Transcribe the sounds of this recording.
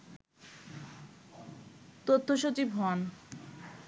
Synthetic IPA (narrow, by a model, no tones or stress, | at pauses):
t̪ot̪ʰːoʃot͡ɕibɦɔan